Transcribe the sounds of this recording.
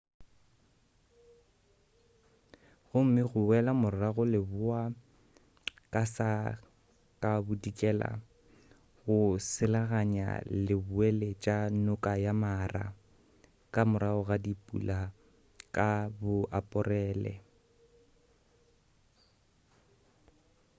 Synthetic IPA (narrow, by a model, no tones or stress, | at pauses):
ɣʊm̩mɪɣʊwɛlamʊɾɪraɣʊlɪbʊa | kʼasa | kʼabʊdikʼɛla̰ | ɣʊsɪlaɣaɲa̰lɪbʊɛlɛt͡ʃʼanʊkʼajamara̰ | kʼamʊɾaʊɣadipʼṵla | kʼabʊʔapʼʊrɛːlɛ̰